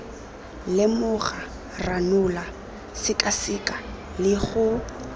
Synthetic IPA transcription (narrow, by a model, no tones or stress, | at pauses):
lɪmʊχa | ranʊla | sɪkʼasɪkʼa | lɪχʊ